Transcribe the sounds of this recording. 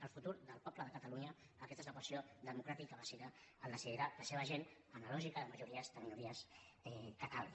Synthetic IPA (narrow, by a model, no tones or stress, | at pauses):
əlˠfut̪uɾðəlˠpɔpləðəkət̪əluɲəː | kɛst̪ezləkpwəsioðəmukɾat̪ikəβəsiɾaːld̪əsiðiɾaləseβ̞əʒen | ənalɔʒikəðəməʒuɾiəzd̪əminuɾiəsɛkət̪al